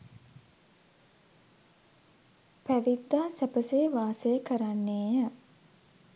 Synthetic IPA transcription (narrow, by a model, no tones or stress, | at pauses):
pæʋid̪ːaːsæpəseʋaːsəjəkəɾanːeːjə